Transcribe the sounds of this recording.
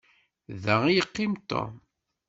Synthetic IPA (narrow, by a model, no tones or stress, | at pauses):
ðæʁijəqːɪmt̪ːo̰